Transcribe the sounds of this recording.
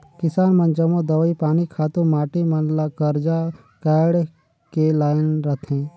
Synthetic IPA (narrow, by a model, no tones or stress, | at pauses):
kɪsaːnmə̃nd͡ʒəmõd̪əʋipaːnikʰaːt̪ũmaːʈimənlakəɾd͡ʒa | kaːɽ | kelaːjɪnɾɐt̪ʰɦẽː